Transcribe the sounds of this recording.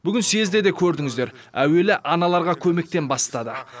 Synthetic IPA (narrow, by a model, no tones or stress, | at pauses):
b̥ʏɡʲɪnse̞zd̪e̞d̪e̞kʲʰɵɾd̪ɪŋɪz̪d̪e̞ɾ | æwe̞lɪʔɑnɑlˠɑɾʁɑkʲʰɵme̞k̚t̪e̞nbɑst̪ɑd̪ə